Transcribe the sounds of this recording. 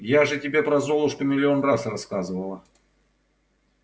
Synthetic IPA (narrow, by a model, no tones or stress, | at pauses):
jaʐɨtʲɪbʲe̞pɾɐzo̞lˠʊʂpəmʲɪlʲɪo̞nrasrɐskazɨvəlˠə